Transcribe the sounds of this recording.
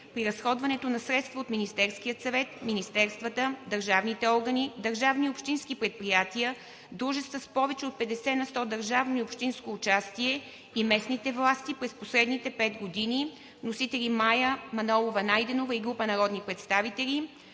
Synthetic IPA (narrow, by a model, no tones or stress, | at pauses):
pɾiɾɐsxɔd̪vɐnɛt̪onɐsɾɛt̪st̪vəot̪minist̪ɛɾskijət̪sɐvɛt̪minist̪ɛɾst̪vət̪əd̪əɾʒavnit̪ɛɔɾɡənid̪əɾʒavniopʃt̪inskipɾɛt̪̚pɾijat̪iə | d̪ɾuʒɛst̪vəspɔvɛt͡ʃɛot̪̚pɛd̪ɛsɛnɐst̪ɔd̪əɾʒavnoiopʃt̪inskoːt͡ʃast̪iɛ | imɛsnit̪ɛvlˠast̪ipɾɛsposɾɛd̪nit̪ɛpɛt̪ɡod̪ini | nosit̪ɛlʲimajəmɐnɔlˠovɐnajd̪ɛnovəiɡɾupənɐɾɔd̪nipɾɛt̪st̪avit̪ɛlʲi